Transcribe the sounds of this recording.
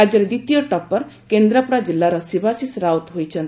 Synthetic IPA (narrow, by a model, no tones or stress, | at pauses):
ad͡ʒɔɾed̪it̪ijɔʈɔpːɔɾkend̪ɾapɾad͡ʒilːaɾɔsibasisɾawt̪ɦojt͡ʃʰɔnt̪